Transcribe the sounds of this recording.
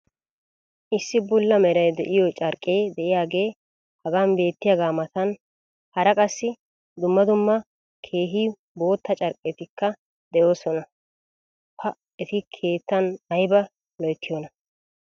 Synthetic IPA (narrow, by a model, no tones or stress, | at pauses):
ʔɪsːɪbʊlːɐmɛɾɐjd̪ɛʔɪjɔt͡ʃʼɐɾkʼːeːd̪ɛʔɪjaːɡe̞ː | hɐɡaːnbe̞ːt̪ːɪjaɡaːmɐt̪ɐn | hɐɾɐkʼɐsːɪ | d̪ʊmːɐd̪ʊmːɐ | kʰe̞ːɦiː | bo̞ːt̪ːɐt͡ʃʼɐɾkʼːeːt̪ɪkːɐ | d̪ɛjo̞ːsɔnɐ | pʰɐ | ɛt̪ɪkʰe̞ːt̪ːɐnɐjbɐ | lɔjt̪ʰːɪjɔnɐ